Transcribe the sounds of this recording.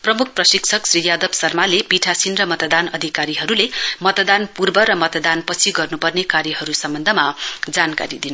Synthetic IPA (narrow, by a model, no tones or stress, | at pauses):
prʌmukʰprʌsikt͡sʰʌksrijad̪ʌbsʌrmalepiʈʰasinrʌmʌt̪d̪anʌd̪ʱikaɾiɦʌɾulemʌt̪d̪anpurbʌɾʌmʌt̪d̪anpʌt͡sʰiɡʌrnupʌrnekaɾjʌɦʌɾusʌmbʌnd̪ʱʌmad͡zanka̰ɾid̪in